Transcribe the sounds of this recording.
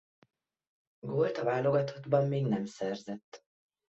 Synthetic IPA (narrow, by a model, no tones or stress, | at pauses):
ɡoːlt̪ɒvaːlo̞ɡɒt̪ʰo̞d̪bɒmːeːɡnɛmsɛrzɛt̪ː